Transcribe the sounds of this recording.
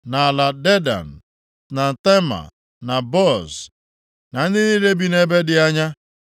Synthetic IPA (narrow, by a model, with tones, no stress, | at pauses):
na˨la˨de˦da̰˨n̩˨ | na˨n̩˨te˦ma̰˨ | na˨bɔ˦˨z | na˨n̩˦dɪ˦ni˦le˦bi˦ne˦be˦dɪ˨a˦ɲa˦